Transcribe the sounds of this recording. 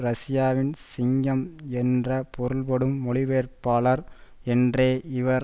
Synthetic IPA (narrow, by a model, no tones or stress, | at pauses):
ɾɐsɪjaːʋɪnsɪŋɡɐmɛndrɐpɔɾɯɭpɐɽɯmːɔɭɪʋeːrpaːlɐɾɛndreːɪʋɐɾ